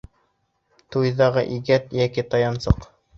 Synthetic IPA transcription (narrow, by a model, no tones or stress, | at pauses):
t̪ujðɑʁɤ̰ʔiɡæt̪jækit̪ɑjɑnsɤq